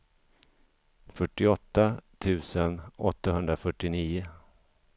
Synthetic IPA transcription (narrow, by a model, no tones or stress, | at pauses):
fœʈːɪɔt̪ːat̪ʰʉ̟ːsənɔ̰t̪ːaɦɵnd̪ɾafœʈːɪniːʊ